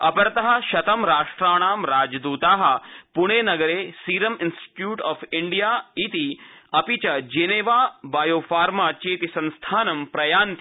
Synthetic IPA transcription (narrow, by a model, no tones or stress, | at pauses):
ɐpɐɾt̪ɐɦɐ̆ʃɐt̪ɐmɾaːʂʈɾaːɽ̃aːmɾaːd͡ʒd̪uːt̪aːɦɐ̆puɳ̃eːnɐɡɐɾeːsiːɾɐminsʈi̥ʈjuːʈɔːfʰiɳɖijaːit̪iɐpit͡ʃɐd͡ʒeːneːʋaːbaːjoːfaːɾmaːt͡ʃeːt̪isɐ̃nst̪ʰaːnɐmpɾɐjaːnt̪